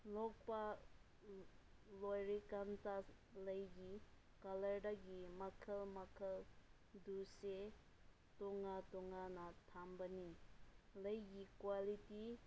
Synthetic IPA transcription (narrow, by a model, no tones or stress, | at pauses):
lɔk̚pa | lojɹikant̪alajɡi | kaləɖaɡimakʰəlmakʰəl | d̪use | t̪oŋat̪oŋanat̪ʰambaniləjɡikwaliti